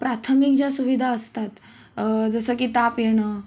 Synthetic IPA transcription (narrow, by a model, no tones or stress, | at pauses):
pɾat̪ʰəmik̚d͡ʑjasuʋid̪ʱaəst̪at̪ | d͡zəsəkit̪apjeɽ̃əː